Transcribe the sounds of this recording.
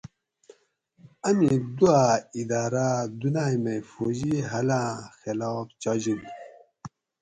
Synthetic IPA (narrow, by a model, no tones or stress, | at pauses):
ɐmid̪uaid̪aːɾad̪unaːjmefoʑiɦɐlãːxelɑːft͡ɕɑd͡ʑidi